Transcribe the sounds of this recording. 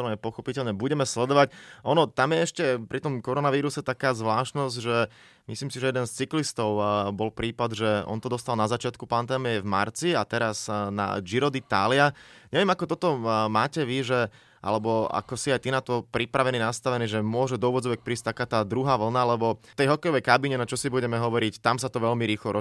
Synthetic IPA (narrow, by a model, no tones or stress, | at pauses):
ɛpɔxɔpicɛʎɲɛbuɟɛmɛslɛd̪ɔʋacʔɔnɔt̪amjɛɛʃcɛpɾit̪ɔmkɔɾɔnaʋiːɾusɛt̪akaːzʋlaːʃnɔzɟʒɛ | misliːmsiʒɛjɛd̪ɛnst͡siklist̪ɔʊbɔlpɾiːpad̪ʒɛɔ̰nt̪ɔd̪ɔst̪alnazat͡ʃɪat̪kupand̪ɛːmijɛvma̰ɾt͡siat̪ɛɾazna̰d͡ʒiɾɔd̪it̪aːlɪaɲɛʋɛmakɔt̪ɔt̪ɔmaːcɛʋiʒɛ | ʔa̰lɛbɔa̰kɔsiajt̪inat̪ɔpɾipɾaʋɛniːnast̪aʋɛniːʒɛmʊɔʒɛd̪ɔuːʋɔd͡zɔʋɛc̚pɾiːsc̚t̪akaːt̪aːd̪ɾuɦaːʋl̩nalɛbɔt̪ɛjɦɔkɛjɔʋɛjkabiɲɛnat͡ʃɔsibuɟɛmɛɦɔʋɔɾict̪amsat̪ɔʋɛʎmiɾiːxlɔɾɔ